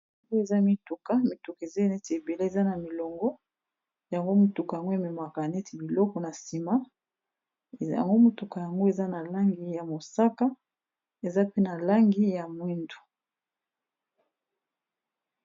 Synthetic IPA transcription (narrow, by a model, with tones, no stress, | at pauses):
a˨ŋɡo˦e˨za˦mi˦tu˨ka˦mi˦tu˨ka˨e˨ze˦˨ne˦ti˨e˨be˨le˦e˨za˦na˨mi˨lɔ˨ŋɡɔ˦ | ja˨ŋɡo˦mu˨tu˨ka˨ja˨ŋɡo˦e˨me˨ma˨ka˨ne˦ti˨bi˨lɔ˦kɔ˨na˨si˨ma˦ | ja̰˨ŋɡo˦mu˨tu˨ka˨ja˨ŋɡo˦e˨za˦na˨la˦ŋɡi˦ja˨mo˨sa˦ka˦ | e˨za˦pe˦na˨la˦ŋɡi˦ja˨mwi˦ndu̥˨